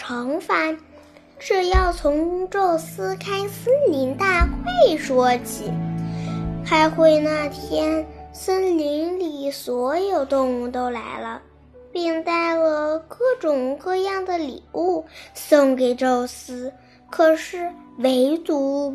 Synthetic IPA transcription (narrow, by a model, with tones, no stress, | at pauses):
ʈ͡ʂʰɑ˧˥ŋfa˧˩n | ʈ͡ʂɻ̩˥˧jɑ˥˩ʊt͡sʰʊ˧˥ŋʈ͡ʂo˥˩ʊsɹ̩˥kʰa˥ɪsə˥nli˧˥nt̪a˥˩xwe˥˩ɪʂwɔ˥t͡ɕʰi˨˩˦ | xa˧˥ɪxwe˥˧ɪna˥˩t̪ʰjɛ˥nsə˥nli˧˥nli˨˩swɔ˧˥jo˨˩ʊt̪ʊ˥˧ŋu˥˩t̪o˥ʊla̰˧˥ɪlə˧ | pi˥˧ŋt̪a˥˩ɪlə˩kɤ˥˩ʈ͡ʂʊ˨˩ŋkɤ˥˧jɑ˥˩ŋd̪ə˩lḭ˨˩u˥˩sɤ˥ŋke˨˩ɪʈ͡ʂo˥˩ʊsɹ̩˥ | kʰɤ˨˩ʂɻ̩˥˩we˧˥ɪt̪u˧˥